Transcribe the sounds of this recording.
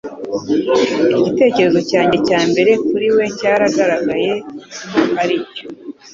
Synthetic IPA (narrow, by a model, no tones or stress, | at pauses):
iɟite̞ːce̞ɾe̞zo̞caːɲɟecaːmbe̞ɾe̞kuɾiwe̞ɲcaːɾaɡaɾaɡaje̞ | haɾico